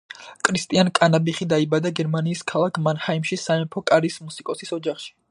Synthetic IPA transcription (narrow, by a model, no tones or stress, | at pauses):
kʼʰɾist̪ʼiankʼanabiχid̪aibad̪aɡɛɾmaniːskʰalˠakʰmanhaimʃisaɛmpʰɔkʼaɾismusikʼɔsisɔd͡ʒaχʃi̥